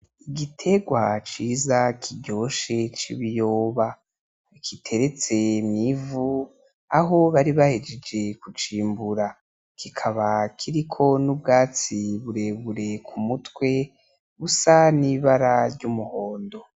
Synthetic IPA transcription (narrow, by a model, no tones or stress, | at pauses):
iɡitʰe̞ɡwat͡ʃiːzakʰiɟo̞ʃe̞t͡ʃḭβijo̞ːβa | kʰitʰe̞ɾe̞t͡se̞mŋivu | aɦo̞βaɾiβahed͡ʒed͡ʒe̞kut͡ʃiːmbuɾa | kikʰaβakʰiɾikʰo̞nub̚ɡaːt͡siβuɾe̞βuɾe̞kʰumutwe̞ | βusaniβaɾaɾɟumuho̞ːndo̞